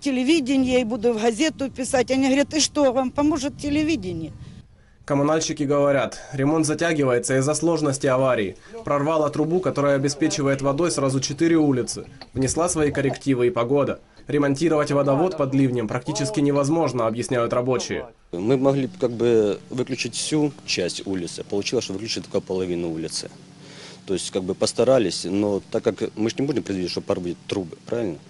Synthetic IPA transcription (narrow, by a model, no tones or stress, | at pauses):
tʲɪlʲɪvʲidʲɪnʲjejbud̪ʊvɣɐzʲet̪ʊpʲɪsatʲɐnʲiɦɐʋɐɾʲat̪ɪʂt̪ovampɐmoʐɨt̪̚tʲɪlʲɪʋʲidʲɪnʲjɪ | kəmʊnalʲɕɪkʲɪɡəvɐɾʲat̪ɾʲɪmo̞nt̪zɐtʲæɡʲɪvəjɪt̪səɪzːɐslˠo̞ʐnəsʲtʲɪɐvaɾʲɪɪ̰pɾɐrvalˠət̪ɾʊbukɐt̪o̞ɾəjəɐbʲɪspʲet͡ɕɪvəjɪt̪vɐd̪o̞jsɾazʊt͡ɕɪt̪ɨɾʲɪulʲɪt̪sɨ̰vnʲɪslˠasvɐikəɾʲɪktʲivɨipɐɡo̞d̪ɐ | ɾʲɪmɐnʲtʲiɾəvətʲvɐd̪ɐvo̞t̪pɐd̪lʲivnʲɪmpɾɐk̚tʲit͡ɕɪskʲɪnʲɪvɐzmo̞ʐnəɐbjɪsʲnʲæjʊt̪rɐbo̞t͡ɕɪjɪ̰ | mɨmɐɣlʲikaɡ̚bɨvɨklʲʉt͡ɕɪtʲfsʲut͡ɕæsʲtʲulʲɪt̪sɨ̥pəlˠʊt͡ɕilˠəsʂt̪ovɨklʲʉt͡ɕɪt̪ːo̥kapəlˠɐvʲinʊulʲɪt̪sɨ̥̰ | t̪o̞jɪsʲtʲkaɡ̚bɨpəst̪ɐɾalʲɪsʲnot̪akːakmɨʐnʲɪbudʲɪmpɾʲɪd̪vʲiit̪ʲʂt̪opɐɾbudʲɪt̪t̪ːɾubɨpɾavɪlʲnə